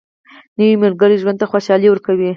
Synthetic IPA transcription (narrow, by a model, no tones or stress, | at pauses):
nawimeɾɡəɾiʒwand̪t̪axwoʃɑliwəɾkawi